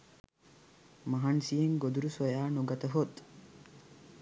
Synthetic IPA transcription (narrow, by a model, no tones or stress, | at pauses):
mɐɦansijeŋɡod̪uɾusojaːnoɡɐt̪əɦot̪